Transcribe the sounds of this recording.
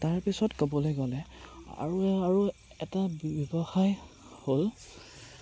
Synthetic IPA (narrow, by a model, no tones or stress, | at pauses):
taɹpisɔtkobɔlojɡɔlɛa̰ɹuaɹu | ɛtabbjɔbɔxaj | hol